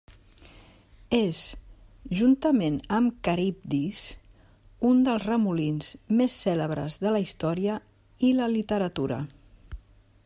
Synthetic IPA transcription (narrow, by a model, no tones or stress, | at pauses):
ezʒunt̪əmenəmkəɾip̚d̪is | und̪əlˠzrəmulinzmesːɛləβɾə̰zðələist̪ɔɾiə | iləlit̪əɾət̪uɾə̰